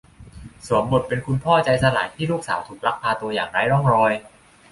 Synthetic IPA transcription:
su˨˩˦əmbo˨˩t̪̚pe˧nkʰu˧npʰɔː˥˩t͡ɕa˧jsa˧laː˩˦jt̪ʰiː˥˩luː˥˩k̚sa̰ː˩˦wt̪ʰuː˨˩k̚la˦˥k̚p̪ʰaː˧t̪u˧ɐjaː˨˩ŋɾaː˨˥jɾɔ˥˩ŋɾɔː˧j

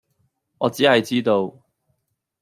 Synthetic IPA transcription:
ŋɔː˨˧t͡siː˨˥hɐ˨jt͡siː˥t̪o˧w

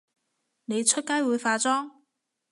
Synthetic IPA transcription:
ne˨˧jt͡sʰɵ˥t̚kaː˥jwuː˨˧jfaː˧t͡sɔː˥ŋ

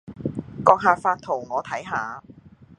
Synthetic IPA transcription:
kɔː˧k̚ɦaː˨˧faː˧t̚t̪ʰo˨˩wŋɔː˨˧t̪ʰɐ˨˥jɦaː˨˧

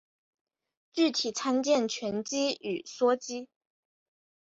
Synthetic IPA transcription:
t͡ɕy˥˩t̪ʰi˨˩t͡sʰa˥nt͡ɕjɛ˥˨nt͡ɕʰɥɛ˧˥nt͡ɕi˥y˨˩swɔ˥t͡ɕi˥

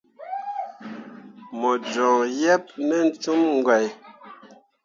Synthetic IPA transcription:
mɔ˨d͡ʒɔ̃˨jɛ˦p̚nɛ˦n̩˦tu˦mŋ̩˦ɡwɛ˨j

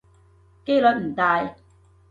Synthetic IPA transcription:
ke˥jlɵ˨˥t̚m̩˨˩t̪aː˨˧j

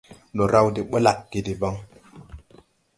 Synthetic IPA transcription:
lo˨ɾa˦wde˨ɓo˦la˨kki˨di˨ba˦ŋ

